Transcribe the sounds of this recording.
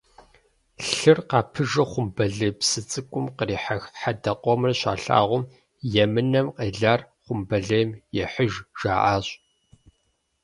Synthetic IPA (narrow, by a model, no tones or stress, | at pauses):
ɬɨrqɑːpʰɨʒɐχʷʊmbɐɮɨpsɨt͡sʼɨkʷʼʊmqəriːħaxħadɐqʷʼɔmɨrɕa̰ːɬa̰ːʁʷʊm | jɛmɨnɐmqeːɮaːr | χʷʊmbɐɮeːmjɛħəʒʒ̥aːʔaːɕʼ